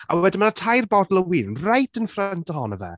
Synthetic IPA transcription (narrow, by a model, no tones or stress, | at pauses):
a̰wɛdimənatʰajrbɔdɔlˠəwiːnnrajtʰənfrɛntəɦɔnəvɛ̰